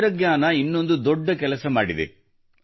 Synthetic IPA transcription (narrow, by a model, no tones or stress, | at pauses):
ɾɐɡɲaːnɐinːo̞nd̪ud̪ɔɖːɐkɛlɐsɐmaːɽid̪ḛ